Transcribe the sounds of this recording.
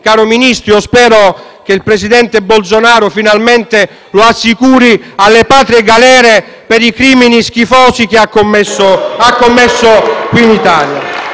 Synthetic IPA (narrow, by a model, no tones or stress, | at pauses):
kaːɾominist̪ɾjospɛːɾo | k̟eilpɾesid̪ɛnt̪ebols̬onaːɾʊfinalment̪e | lʊasːikuːɾialːepaːt̪ɾjeɡalɛːɾe | peɾikɾiːminisk̟ifɔːsik̟eakːomesoakːomːɛsːʊkwinit̪aːlja